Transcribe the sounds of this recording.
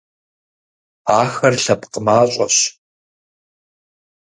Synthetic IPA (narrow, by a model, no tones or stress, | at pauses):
aːxɐrɬɐpqəmaːɕʼɐɕ